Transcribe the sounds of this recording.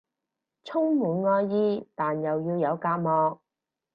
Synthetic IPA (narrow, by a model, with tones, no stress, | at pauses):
t͡sʰʊ˥ŋmuː˨nŋɔː˧jjiː˥t̪aː˨njɐ˨wjiː˧wjɐ˨˧wkaː˧t̚mɔː˧k̚